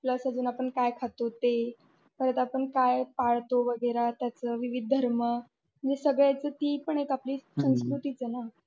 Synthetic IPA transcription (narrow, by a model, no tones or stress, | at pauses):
pləsad͡zuːnapəɳkajkʰat̪ot̪e | pəɾət̪apəɳkajpaɭt̪oʋəɡəjɾat̪jat͡səʋiʋid̪̚ʱd̪ʱəɾmə | m̤ənd͡zesəɡɭjat͡səːt̪iːpəɳekapliːsənskɾuʈiːt͡səna